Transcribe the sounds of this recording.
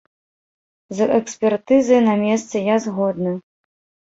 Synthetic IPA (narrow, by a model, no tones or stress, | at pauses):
zɛksʲpʲɛrt̪ɨzɐjnɐmʲɛst̪sɐjazɣɔd̪nɨ